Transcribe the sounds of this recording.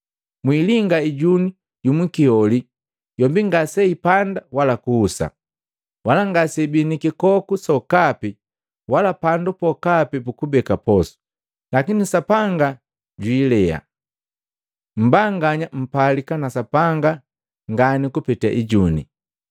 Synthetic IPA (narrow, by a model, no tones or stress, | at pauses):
mwiliŋɡaiɟuni | jumuikiɔli | jɔmbiŋɡasɛipandawalakuːsa̰ | walaŋɡasɛbinikikɔkusɔkapi | walapandupɔkapipukubɛkapɔsu̥ | lakinisapaŋɡa | ɟwiːlɛa̰ | m̩baŋɡaɲam̩palikanasapaŋɡa | ŋɡanikupɛta̰ʔiɟunḭ